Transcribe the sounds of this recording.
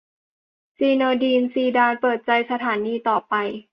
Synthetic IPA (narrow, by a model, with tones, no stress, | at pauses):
siː˧nɤː˧diː˧nsiː˧˩daː˧npɤː˨˩t̪̚t͡ɕa˧jsa˧t̪ʰaː˩˦niː˧t̪ɔː˨˩pa˧j